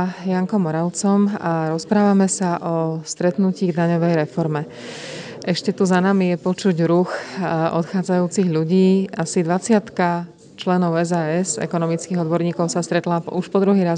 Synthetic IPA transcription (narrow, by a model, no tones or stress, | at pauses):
jaŋkɔmɔɾaʊt͡sɔmaɾɔspɾaːʋamɛsaʔɔst̪ɾɛt̪nuciːɣd̪aɲɔʋɛjɾɛfɔɾmɛ | ʔɛʃcɛt̪uzanamijɛpɔt͡ʃuɟɾuxʔɔ̰t̪xaːd͡zajuːt͡siɣʎuɟiːasid̪ʋat͡sɪat̪ka | t͡ʃlɛnɔʊɛzaːɛzɛ̰kɔnɔmit͡skiːɦɔd̪bɔɾɲiːkɔʊsast̪ɾɛt̪laːuʃpɔd̪ɾuɦiːɾaz